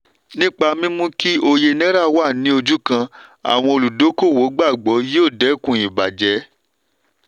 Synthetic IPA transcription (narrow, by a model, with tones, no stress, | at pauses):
nĩ˦k͡pa˧mĩ˦mũ˦ki˦o˧je˧nɛ̃˦ɾa˦˨wa˦˨nĩ˨˦o˧d͡ʒu˦kã˧a̰˨w̃ɔ̃˧o˧lu˨do˨˦ko˦˨wo˨˦ɡ͡ba˦˨ɡ͡bɔ˨˦je˦o˦˨dɛ˨˦˨kũ˨i˨ba˨d͡ʒɛ˨˦